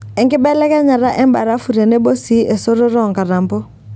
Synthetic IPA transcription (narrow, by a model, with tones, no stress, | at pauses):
ɛ˨ŋkɪ˦bɛ˦lɛ˦kɛ˦ɲa˨ɾa˦ʔɛ˦mba̰˨ɾa˦fu˨ɾe˨ne˦bo˦si˦ʔe˨so˦ɾo˦ɾɔ˦˨ŋka˨ɾa˨mbɔ˦